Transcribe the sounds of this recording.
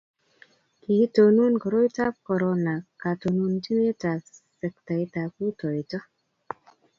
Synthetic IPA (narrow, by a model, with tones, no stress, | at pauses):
ki˨to˨nu˦nkɔ˨ɾo˦jta˦p̚kɔ˨ɾona˨ka˨to˨nu˧nti˦ne˦ta˨sɛ˨k̚ta˨jta˨pu˦tɔ˨jtɔ˦